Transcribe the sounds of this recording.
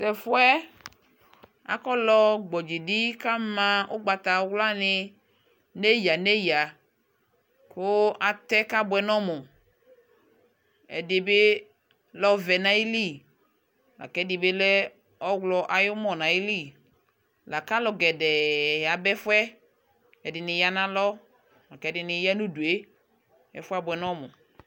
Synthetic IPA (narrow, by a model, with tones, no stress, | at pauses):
tɛ˨fu˦ɛ˦ | a̰˨kɔ˦lɔ˦ɡ͡bɔ˨d͡ʒi˨di˦ka˦mã˨o˦ɡ͡ba˨t̪a˨˦wla˦nɪ˨ | ne˦ji˨a˨ne˦ji˨a˨ | ko˦a˨t̪ɛ˦ka˦bʊ˨ɛ˨nɔ̃˦mo˨ | ɛ̰˨dɪ˨be˦ | lɔ˦vɛ˨na˨˦i˦li˦ | la̰˨kɛ˨˦dɪ˨be˦lɛ˦ | ɔ˦wlɔ˨ʔa˨jʊ˦mɔ˨na˨i˦li˦˨ | la˨ka˦lɔ˨ɡɛ˨dɛ˨ja˨bɛ˦fwɛ˦ | ɛ˨dɪ˨nɪ˨ja˦nã˦lɔ˦ | la˨kɛ˨˦dɪ˨nɪ˨ja˦nu˦du˨e˦ | ɛ̰˨fʷa˦bʷwɛ˨nɔ˦mʊ˨